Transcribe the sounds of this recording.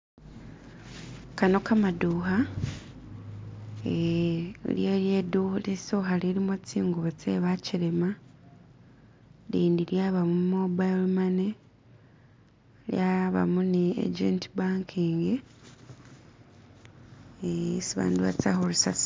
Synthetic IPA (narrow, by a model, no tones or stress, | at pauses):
kano̞kamaduːha | e | ljeljedulisoxaliɾimot͡siːŋɡuβet͡seβaciɾema | liːndiɾjaβamumobalmane | ljaβa̰muneḛd͡ʒḛntʰibaːŋkʰiːŋɡe | esiβa̰ːnduβa̰t͡sa̰holusas